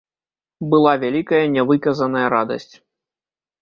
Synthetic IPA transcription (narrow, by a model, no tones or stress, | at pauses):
bɨlˠavʲalʲikɐjɐnʲɛvɨkɐzɐnɐjɐɾad̪ɐ̰sʲt͡sʲ